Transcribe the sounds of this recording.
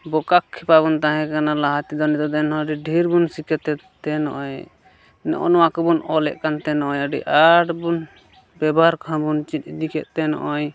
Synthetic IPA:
bɔkakʰːɛpaβunt̪aɦɛ̃kanalaɦat̪id̪ɔnid̪ɔd̪ɛnɦɔ̃ɖiɖʱiɾbunsikɛt̪ɛt̪ɛnɔ̰ʔɔj | nɛ̰ʔɔ̰nɔwakɔbunɔlɛ̰ʔkant̪ɛnɔʔɔjaɖḭʔaʈbun | bɛbaɾkʰãbunt͡ʃit̪̚ˀid̪ikɛʔ̚t̪ɛnɔ̰ʔɔj

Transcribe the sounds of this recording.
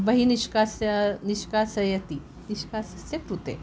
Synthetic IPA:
bɐɦiniʃkasaniʃkasɐjɐt̪i | niʃkasəsekɾut̪ḛ

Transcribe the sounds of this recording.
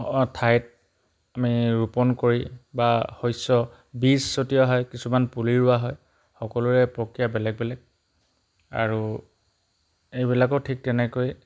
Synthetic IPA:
tʰajt̚ | amiɹupɔnkoɹibahojsɔ | bisːotijɔɦɔjkisumanpuliɹʊaɦɔj | xɔkɔlʊɛpɹokɹijabɛlɛk̚bɛlɛk̚ | a̰ɹu | ejbilakɔtʰik̚tɛnɛkoj

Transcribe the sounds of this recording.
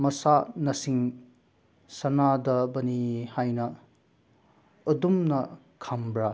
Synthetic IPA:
mɐsanɐsiŋ | sɐnadɐbɐnihajnɐ | dumnɐ | kʰambɾa

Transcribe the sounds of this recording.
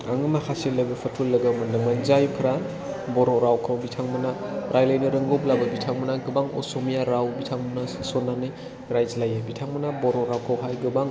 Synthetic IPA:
aŋɯmakʰaselɐɡɯpʰɐtʰulɐɡamɐnlɯŋmanzajpʰɾa | bɔɾɔɾawkʰawbitʰaŋmɯnaɾʔajlajnɯɾɯŋɡoblabɐbitʰaŋmɯnaɡɯbaŋɔ̰somijaɾawbitʰaŋmɯnassonːanɯj | ɾajzlajabitʰaŋmɯnabɔɾoɾawkʰawɦajɡɯbaŋ

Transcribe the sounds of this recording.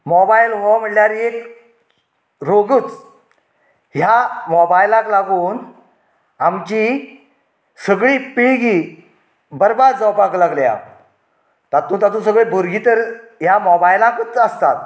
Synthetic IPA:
mɔbajlɦoam̤əɳljaɾjek | ɾoɡut͡s | ɦjamɔbajlaklaɡuːn | amt͡ɕi | səɡɭipiɭɡi | bəɾbad̪d͡zɔwpaklaɡlja̰ | t̪at̪ũt̪at̪ũs̬əɡɭebʱuɾɡit̪əɾɦjamɔbajlãkət͡səst̪at̪̚

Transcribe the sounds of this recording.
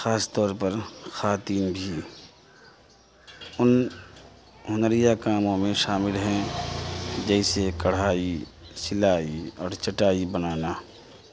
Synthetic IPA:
xaːst̪ɔːɾpəɾxaːt̪iːnbʱi | ʊn | ɦʊnəɾɪjakaːmõmẽʃaːmɪlɦɛ̃ | d͡ʒɛːɪsekɐɽ̤aːisɪlaːiɔːɾt͡ʃəʈaːibənaːnaː

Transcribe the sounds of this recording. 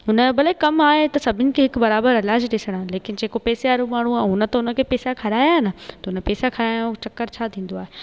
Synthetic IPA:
ʊnəbɐlekɐmaːɦet̪ɐsɐbʱɪnɪ̆kʰeɦɪkbɐɾaːbəɾɪlaːd͡ʑɗɪsəɽ̃aleːkɪnd͡ʑeːkopɛːseaːɾumaːɳ̤uaːɦʊnə̆t̪ɐʊnəkʰepeːsakʰɐɾaːjaɦɪnət̪ɐʊnəpeːsakʰɐɾaːjãt͡ɕɐkːəɾt͡ɕʰat̪ʰĩːn̆d̪oaːɦe

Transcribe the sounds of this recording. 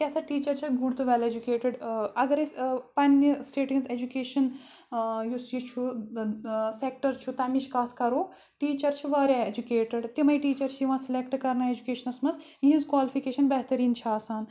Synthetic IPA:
kʲesɐʈiːt͡ʃɐɾt͡ʃʰiɡuɽt̪uʋeled͡ʒukeːʈɪɖɐɡɐɾispɐnːisʈeːʈĩnzed͡ʒukeːʃɐn | jusjit͡ʃʰu | sek̚ʈɐɾt͡ʃʰut̪ɐmit͡ʃʰkɐt̪ʰkɐɾoː | ʈiːt͡ʃɐɾt͡ʃʰiʋaːɾʲjaed͡ʒukeːʈəɽt̪imɐjʈiːt͡ʃɐɾt͡ʃʰijiʋãːsilekʈkɐɾnaːed͡ʒukeːʃɐnɐsmɐz | ĩɦĩnzkʋaːlipʰikeːʃɐnbɐɦt̪ɐɾiːnt͡ʃʰaːsaːn

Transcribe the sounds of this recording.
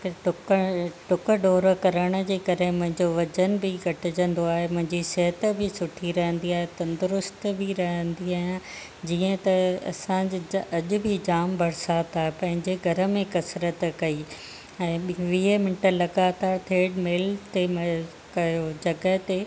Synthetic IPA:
kʈʊkʈʊkəɖoːɾəkɐɾəɽ̃ə̆d͡ʑeːkɐɾemʊ̃ɦɪ̃ɲd͡ʑoʋɐd͡ʑənbɪɡʱɐʈɪd͡ʑə̃nd̪oaːɦemʊ̃ɦɪ̃ɲd͡ʑiseɦət̪bɪsʊʈʰiɾɐɦə̃nd̪iaːɦet̪ɐnd̪ʊɾʊst̪bʱiɾɐɦə̃nd̪iaːɪjã | d͡ʑiːə̃t̪ɐɐ̰sãd͡ʑɐʄʊ̆bʱɪd͡ʑaːmbʱɐɽɪsaːt̪aːɦepɐ̃ɦɪ̃ɲd͡ʑeɡʱɐɾə̆mẽkɐsɾət̪kɐiː | ɛ̃ːɓʋiːəmɪɳʈəlɐɡaːt̪aːɾt̪ʰeːɖmeːlt̪em | kɐjod͡ʑɐɡəɦt̪e

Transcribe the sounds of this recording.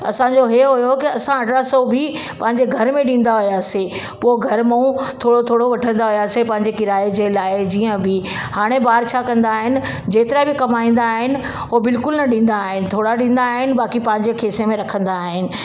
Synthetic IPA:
ɐ̰sãɲd͡ʑoɦeːɦʊjokiɐsãɐɖɾasobʱi | pɐ̃ɦɪ̃ɲ̆d͡ʑeɡʱɐɾmẽɗĩːn̆d̪aɦʊijaːse | poːɡʱɐɾmɐũt̪ʰoːɽot̪ʰoːɽoʋɐʈʰə̃nd̪aɦʊjaːsepɐ̃ɦɪ̃ɲ̆d͡ʑekɪɾaːed͡ʑelaːɪd͡ʑiːə̃bɪhaːɽ̃ebaːɾt͡ɕʰaːkɐ̃nd̪aːɦɪnɪ̆ | d͡ʑeːt̪ɪɾabɪkɐmaːĩːn̆d̪aːɦɪnɪ̆ | ɦobɪlkʊlnɐɗĩːn̆d̪aːɦɪnɪ̆t̪ʰoːɽaɗĩːn̆d̪aːɦɪnɪ̆baːkipɐ̃ɦɪ̃ɲ̆d͡ʑekʰeːsemẽɾɐkʰə̃nd̪aːɦɪnɪ̆

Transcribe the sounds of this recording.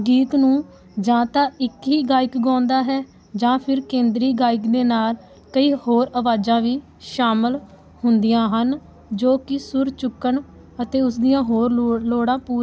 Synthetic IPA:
ɡiːk̪nũː | d͡ʒãːt̪ãːɪkɦiːɡaːɪkɡãːnd̪aːɦɛː | d͡ʒãːpʰɪɾkẽːnd̪ɾiːɡaːɪkd̪eːnaːl | kəiːhoːɾəʋaːd͡ʒãːʋiː | ʃaːməl | hʊnd̪ijãːɦən | d͡ʒoːkɪsʊɾt͡ʃʊkːəɳ | ət̪eːʊs̬d̪ijãːɦoːɾloːɽãːpuːɾ

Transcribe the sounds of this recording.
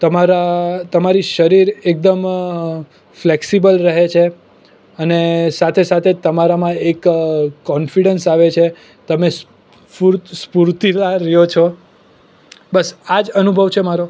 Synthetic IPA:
t̪əmaɾat̪əmaɾiʃəɾiɾek̚d̪əm | fleksibəlɾəɦet͡ʃʰe | ənesat̪ʰesat̪ʰet̪əmaɾamãekːɔnfiɖənsaʋet͡ʃʰe | t̪əmes | puɾspuɾt̪ilaɾəjot͡ʃʰɔ | bəsad͡ʒənubʱəʋt͡ʃʰemaɾo

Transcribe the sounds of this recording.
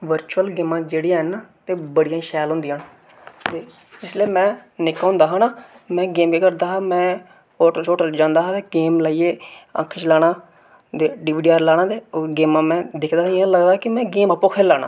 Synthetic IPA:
ʋəɾt͡ʃuəlɡeːmãːd͡ʒeːɽijãːɦɛnat̪eːbəɽijãːʃɛːlɦʊ̃nd̪ijaːn | t̪eː | ɪsleːmɛ̃ːnɪkːãːnd̪aːɦaːnaː | mɛ̃ːɡeːmkiːkəɾd̪aːɦaːmɛ̃ː | oːʈət͡ʃoːʈəld͡ʒãːnd̪aːɦaːt̪eɡeːmlaːieːə̰kʰət͡ʃlaːɽ̃ãː | d̪eɖiːʋiːɖiːaːɾlaːɽ̃ãːt̪eːɡeːmãːmɛ̃ːd̪ɪkʰd̪aːiãləɡd̪aːkɪmɛ̃ːɡeːmaːpõːkʰeːlaːɽ̃ã̰ː

